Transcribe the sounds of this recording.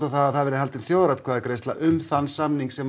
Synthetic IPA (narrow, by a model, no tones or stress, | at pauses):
t̪aθaðaðθaðvɛɾɪhalt̪ɪnθjoːwɾat̪kʰaðakɾejst̪la̰ʔʏmθanːsamniŋksɛm